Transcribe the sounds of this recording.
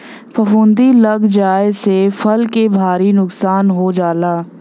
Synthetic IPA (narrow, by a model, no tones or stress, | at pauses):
pəfʊ̃ːnd̪ilɐɡd͡ʒaːesefʰɐlkebʱaːɾinʊksaːnɦod͡ʒaːlaː